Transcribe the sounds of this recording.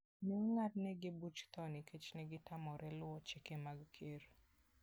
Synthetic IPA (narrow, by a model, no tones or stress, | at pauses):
neŋŋatnɛɡɪbut͡ʃt̪ɔnɪkʰet͡ʃnɛɡɪtamɔɾʔɛlʊɔt͡ʃekemaɡkʰeɾ